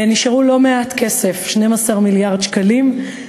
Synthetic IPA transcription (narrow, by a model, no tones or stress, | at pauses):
niʃaʁulo̞me̞atke̞se̞fʃnemasaʁmiljaʁdʃkalim